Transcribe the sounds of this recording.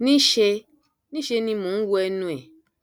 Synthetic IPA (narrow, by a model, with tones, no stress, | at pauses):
nĩ˦ʃe˧ | nĩ˦ʃe˧nĩ˧mũ˨˦wu˦ɛ˦nũ˦ɛ˨